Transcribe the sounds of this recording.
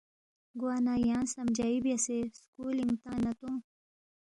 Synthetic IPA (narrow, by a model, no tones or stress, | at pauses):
ɡwaːnajɑ̃ːnsɐmd͡ʒaibjaseskuliŋɡt̪ãːnat̪õ